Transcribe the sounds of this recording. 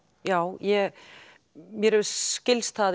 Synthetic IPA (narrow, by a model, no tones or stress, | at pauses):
jaːwjɛɣ | mjɛɾɛvcɪlst̪θað